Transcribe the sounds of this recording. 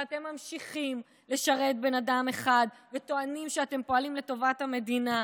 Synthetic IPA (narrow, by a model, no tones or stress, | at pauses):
at̪e̞mːamʃiχim | le̞ʃaʁe̞t̚be̞nadame̞χad̪vet̪o̞animʃeate̞mpo̞alimle̞to̞vathame̞d̪ina